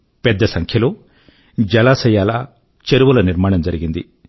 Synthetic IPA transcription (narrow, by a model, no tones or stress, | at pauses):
pɛd̪ːɐsɐŋkʰjɐluː | d͡ʒɐlaːsɐjaːlɐ | t͡ʃeɾuʋulɐniɾmaːɳɐmd͡ʒɐɾiɡind̪i